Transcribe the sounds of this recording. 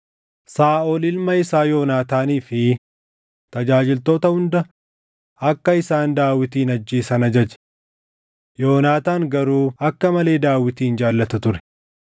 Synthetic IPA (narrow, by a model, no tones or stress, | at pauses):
saːʔɔlɪlmɐɪsaːjo̞ːnaːt̪aːniːfɪ | t̪ɐd͡ʒaːd͡ʒɪlt̪o̞ːt̪ɐhʊnd̪ɐ | ɐkːɐɪsaːnd̪aːwɪt̪iːnɐd͡ʒːeːsɐnɐd͡ʒɐd͡ʒɛ̥ | jo̞ːnaːt̪aːŋɡɐɾuːɐkːɐmɐle̞ːd̪aːwɪt̪iːnd͡ʒaːlːɐt̪ɐt̪ʊɾɛ̥